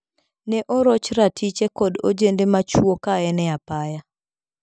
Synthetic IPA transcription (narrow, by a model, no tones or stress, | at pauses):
nɛʔoɾot͡ʃɾatʰit͡ʃekɔdo̰d͡ʒendemat͡ʃwokaɛnɛapaja